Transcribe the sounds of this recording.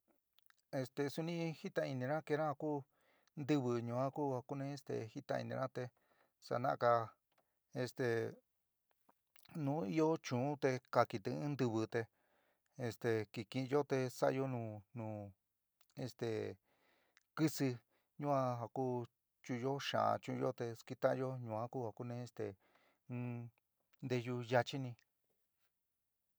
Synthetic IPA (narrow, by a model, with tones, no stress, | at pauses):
e˧st̪e˨su˧nĩ˦˧hi˦t̪ã˧i˧nĩ˧ɾã˦ke˧ɾã˦ha˧kuː˦ | nd̪ɨ˦˧βɨ˧ɲũ˨˧ã˦kuː˦ha˧ku˦nẽ˧e˧st̪ḛ˨hi˦t̪a̰˧ḭ˧nĩ˧ʔã˦t̪e˧ | sa̰˧nã˦ʔka˧ | e˧st̪e˨ | nũ˦i˦jo˦t͡ʃũ˨ũ˦t̪e˧ka˧ki˧t̪ĩ˧˦ɨ̃˦nd̪u˧βɨ˧t̪e˧ | e˧st̪e˨ki˧kĩ˧jo˦t̪e˧sa˦ʔjo˦nũ˧nũː˨˧ | ḛ˧st̪e˨ | kɨ˦sɨ˧ | ɲũ˦ã˧ɦa˧ku˦ | t͡ʃũ˧o˦ʃã̰˨˧t͡ʃũ˧jo˦t̪e˧ski˧t̪ã˦˧jo˦ɲũ˧ã˦kuː˦ha˧ku˦˧nẽ˧e˧st̪ḛ̃˨˦ | nd̪e˧ju˧ja˧t͡ʃi˦nĩ˧